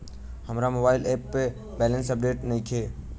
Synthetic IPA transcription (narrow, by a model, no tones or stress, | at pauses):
hɐmɾamoːbaːɪlɛːpːe | bɛːlə̃nsɐp̚ɖeːʈnɐɦĩkʰeː